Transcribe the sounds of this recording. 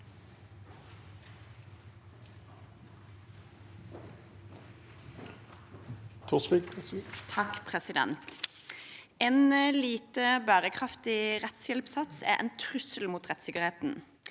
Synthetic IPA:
t̪ʰʊʁsʋit̪ʰɑkpʰʁɛsɪd̪ɛ̰nt̪ | eːnliːt̪əbæːʁəkʰʁɑft̪ɪʁɛt̪sjɛlpsɑt̪sæ̰ːʔɛ̰ːnt̪ʰʁʉsəlmuːt̪ʁɛt̪sɪkəʁheːt̪n̩

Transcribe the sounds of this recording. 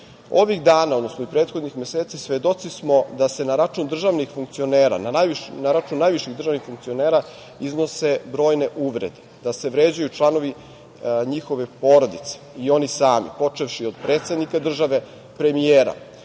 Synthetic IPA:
o̞ʋixd̪aːnaod̪no̞snoipɾe̞ːt̪xod̪nixme̞seːt̪sisʋed̪o̞t̪sismo̞d̪ase̞naɾat͡ʃund̪r̩ʒaʋnixfuŋk̚t̪sio̞neːɾa̰nanajʋinaɾat͡ʃunnːaːjʋiʃiɣd̪r̩ʒaːʋnixfuŋkt̪sio̞neːɾa | izno̞se̞bɾo̞ːjne̞ʔuʋɾed̪ed̪ase̞ʋɾeːd͡ʑajut͡ʂlˠano̞ʋi | ɲixo̞ʋe̞po̞ɾod̪it̪se̥io̞nisaːmḭpo̞t͡ʂefʃiod̪̚pɾeːt̪sed̪nikad̪r̩ʒaʋe̞ | pɾemijeːɾa̰

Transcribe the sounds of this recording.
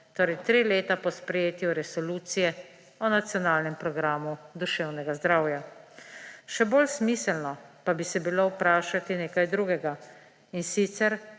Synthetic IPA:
t̪oːɾɛjt̪ɾileːt̪apɔspɾɛjeːt̪juɾɛsɔluːt̪sijɛ | ɔnat̪sjɔnaːlnɛmpɾɔɡɾaːmud̪uʃɛwnɛɡazd̪ɾawja | ʃɛboːlsmiːsɛlnɔpabisɛbilowpɾaːʃat̪ineːkajd̪ɾuːɡɛɡa | insit̪sɛɾ

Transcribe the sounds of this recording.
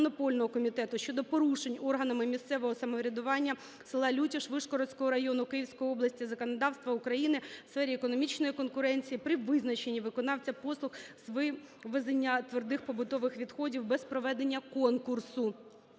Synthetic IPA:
ɔnɔpɔlʲnɔɦɔkɔmʲit̪ɛt̪ʊʃt͡ʃɔd̪ɔpɔɾuʃenʲɔrɦɐnɐmɪmʲist̪sɛʋɔɦɔsɐmɔʋɾʲɐd̪ʊʋɑnʲːɐ | sɪlˠɑlʲutʲiʃʋɪʃkɔɾɔsʲkɔɦɔɾɐjɔnʊkɪjiwsʲkɔjiɔblˠɐsʲtʲizɐkɔnɐd̪ɑwst̪ʋɐukɾɐjinɪsfɛɾʲiekɔnɔmʲit͡ʃnɔjikɔnkʊɾɛnʲt͡sʲijipɾɪʋɪznɐt͡ʃenʲːiʋɪkɔnɑwt͡sʲɐpɔslˠʊxzʋɪ | ʋezenʲːɐt̪ʋerd̪ɪxpɔbʊt̪ɔʋɪxʋʲid̪xɔdʲiwbɛspɾɔʋɛd̪enʲːɐkɔnkʊrsʊ

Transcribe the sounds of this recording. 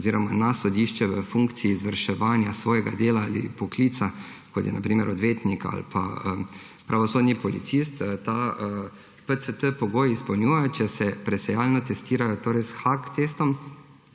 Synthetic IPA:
ziːɾɔmanasɔd̪iʃt͡ʃɛʋəfuŋkt̪siːzʋəɾʃɛʋaːnjasʋɔːjɛɡad̪eːlaalḭpɔkliːt̪sakɔt̪jɛ̰nʔa̰pɾiːmɛɾʔɔd̪ʋeːt̪nika̰lpʰa̰ə | pɾʔaʋɔsoːd̪nipɔlḭt̪sist̪t̪a | pəsət̪əpɔɡoːjispɐwnʲjuːjɛjɔt͡ʃɛsɛpɾɛsɛjaːlnɔt̪ɛst̪iːɾajɔt̪oːɾɛjsxakt̪eːst̪ɔm

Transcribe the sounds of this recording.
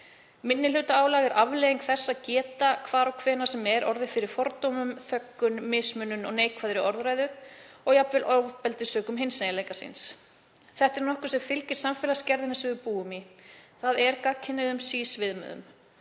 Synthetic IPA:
mɪnːɪlʏːt̪aaːwlaɣɛɾavlɛɣiŋkθɛsːaðcɛːt̪akʰvaːɾɔwkʰvɛːnasɛmɛɾɔɾðɪfɪɾɪɾ̥fɔɾt̪owmʏmθœkːʏnmɪːsmʏnːʏnɔ̰ɣneːjkʰvaːðɾɪɔɾðɾaːjðʏ | ɔɣjapvɪlʔɔwðpɛlt̪ɪsœːkʏmɦɪnsnejaleːjkasɪ̰ns | θɛht̪ɛɾnɔhkʏsɛmfɪlcɪɾ̥samfɛlascɛɾðɪnasɪvɪpuːʏmiθaðɛɾkacʰɪnːɪðʏmsiːsvɪðmʏ̰ðʏ̰m

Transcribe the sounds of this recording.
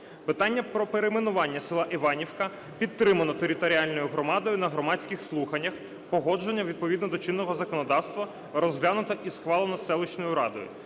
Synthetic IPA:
pɪt̪ɑnʲːɐpɾɔpeɾemenʊʋɑnʲːɐsɪlˠɑʔiʋɑnʲiwkɐ | pʲit̪ːɾɪmɐnɔt̪eɾʲɪt̪ɔɾʲialʲnɔjʊɦɾɔmɑd̪ɔjʊnɐɦɾɔmɑdʲt͡sʲkʲɪxslˠuxɐnʲːɐx | pɔɦɔd͡ʒenʲːɐʋʲid̪̚pɔʋʲid̪nɔd̪ɔt͡ʃɪnːɔɦɔzɐkɔnɔd̪ɑwst̪ʋɐ | ɾɔzɦlʲanʊt̪ɐʔisxʋɑlˠenɔsɛlˠʊt͡ʃnɔjʊɾɑd̪ɔ̰jʊ̰

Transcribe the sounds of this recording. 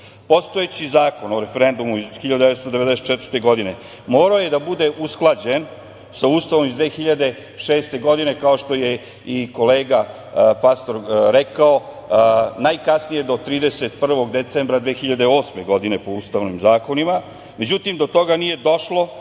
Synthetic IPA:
po̞st̪o̞et͡ɕizaːko̞noɾe̞feɾe̞nd̪umuizxiʎad̪ud̪eest̪od̪e̞ʋed̪ɛset̪̚t͡ʃɛt̪vəɾt̪e̞ɡo̞d̪ine | mo̞ːɾaojed̪abud̪eʔusklˠad͡ʑen | sauːst̪aʋomizd̪ʋeːxiʎad̪e̞ | ʃeːst̪e̞ɡo̞d̪ine̞kao̞ʃt̪o̞je | iko̞leːɡa | past̪o̞ɾɾekao̞ | najkasnije̞d̪o̞t̪ɾiːd̪ese̞t̪̚pr̩ʋo̞ɡd̪et̪sembɾad̪ʋeːxiʎad̪e̞o̞ːsme̞ɡo̞d̪ine̞po̞uːst̪aʋnimzaːko̞nima | me̞d͡ʑut̪imd̪o̞t̪o̞ɡanije̞d̪o̞ʃlo̞

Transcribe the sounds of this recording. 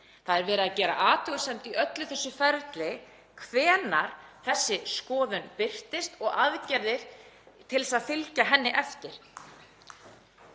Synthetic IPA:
θaðɛɾvɛːɾɪaðcɛːɾa̰ʔaːt̪ʏɣsɛmt̪iʔœt̪lʏθɛsːʏfɛɾt̪lɪ | kʰvɛːnaɾ̥θɛsːɪskɔːðʏnpɪr̥t̪ɪst̪ɔɣaðcɛɾðɪɾ̥ | t̪ʰɪlsaðfɪlcaɦɛnːɪʔɛft̪ɪɾ̥

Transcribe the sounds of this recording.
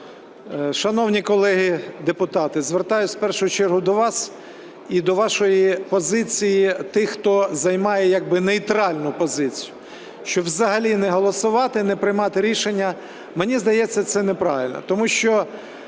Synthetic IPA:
ʃɐnɔwnʲikɔlˠɛɦid̪epʊt̪ɑt̪ɪzʋert̪ɑjʊt͡sʲspɛrʃʊɦʊt͡ʃɛrɦʊd̪ɔʋɑs | id̪ɔʋɑʃɔjipɔzɪt͡sʲijit̪ɪxxt̪ɔzɐjmɑjɛjɐɡ̚bɪnejt̪ɾɑlʲnʊpɔzɪt͡sʲijʊ | ʃt͡ʃɔʋzɐɦɐlʲinɛɦɔlˠɔsʊʋɑt̪ɪnɛpɾɪjmɑt̪ɪɾʲiʃenʲːɐ | menʲizd̪ɐjɛt͡sʲːɐt̪sɛnepɾɑʋɪlʲnɔ̰t̪ɔmuʃt͡ʃɔ

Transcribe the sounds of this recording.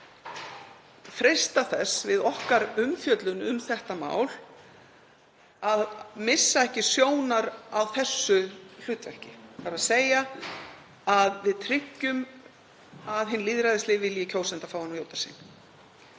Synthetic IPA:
fɾejst̪aθɛsvɪðɔhkaɾʏmfjœt̪lʏnʏmθɛht̪ama̰ːwl | aðmɪsːaɛhcɪsjoːwnaɾawθɛsːʏl̥ʏːt̪vɛhcɪθaɾaðseːja | aðvɪðt̪ʰɾɪcːʏm | aðɦɪnːliːðɾajðɪslɪːvvɪljɪcʰoːwsɛnt̪afaːwanjoːwt̪ḁsḭn

